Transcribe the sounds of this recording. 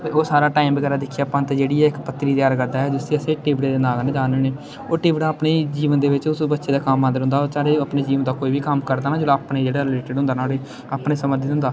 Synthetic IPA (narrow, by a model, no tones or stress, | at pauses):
eoːsaːɾaːʈaːimbəɡɛːɾaːd̪ɪkʰːijaːpãnt̪eːd͡ʒeːɽiːɛːɪkpət̪ːɾiːt̪jaːɾɡəɾd̪aːɛːd͡ʒɪst̪eːəseːʈiːʋɽeːd̪eːnaːɡnẽd͡ʒaːneːneː | oːʈiːʋɪɽaːpneːd͡ʒiːʋənd̪eːʋɪt͡ʃʊsbətːʃeːd̪aːkamːãːd̪əɾɦʊ̃nd̪aːoːɾsaːɽeːəpneːd͡ʒiːʋənd̪aːkoːiːʋiːkəmkəɾd̪aːnaːd͡ʒoːlːaːpneːd͡ʒeːɽaːɾɪleːʈɪɖʊ̃nd̪aːnaːɽeː | aːpɳeːsəməd̪ɪɦʊ̃nd̪aː